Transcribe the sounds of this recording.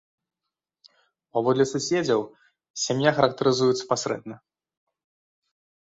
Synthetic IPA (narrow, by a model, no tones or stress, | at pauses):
pavɔd̪lʲɛsusʲed͡zʲɐw | sʲamjaxɐɾɐk̚t̪ɐɾɨzujut̪sɐ̥pasʲɾɛ̰d̪̚nɐ